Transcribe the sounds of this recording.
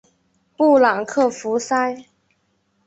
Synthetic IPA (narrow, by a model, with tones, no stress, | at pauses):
pu˥˩lɑ˨˩ŋkʰɤ˥˩fu˧˥sa˥ɪ